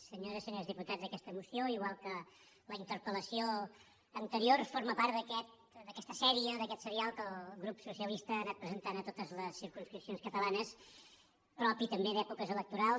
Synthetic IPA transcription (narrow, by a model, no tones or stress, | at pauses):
səɲoɾəsəɲozðiput̪adzðəkɛst̪əmusioiɣwalˠkə | ləint̪əɾpələsio | ənt̪əɾiorfoɾməpaɾt̪d̪əkɛt̪̚ | d̪əkɛst̪əsɛɾiəðəkɛt̪səɾialˠkəlˠɣɾupsusiəlist̪əːnat̪̚pɾəzənt̪anət̪ot̪əzləsːiɾkunskɾipsionskət̪əlanəs | pɾɔpit̪əmbeðɛpukəzələk̚t̪uɾalˠ